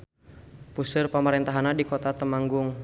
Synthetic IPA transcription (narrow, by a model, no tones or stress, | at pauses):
pusʊrpamaɾɛnt̪aɦanadikɔt̪at̪əmaŋɡʊŋ